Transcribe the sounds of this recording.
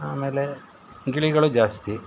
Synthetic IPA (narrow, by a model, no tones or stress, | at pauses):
ɦaːmeːle | ŋɡiɭiɣɐɭud͡ʒaːst̪i